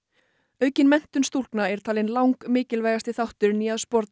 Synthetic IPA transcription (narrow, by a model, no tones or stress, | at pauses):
œɥcɪnmɛn̥t̪ʏnst̪ul̥knaɛɾ̥t̪ʰaːlɪnlawŋkmɪːcɪlvɛːjɣast̪ɪθawht̪ʏɾniːaðspɔɾt̪̚n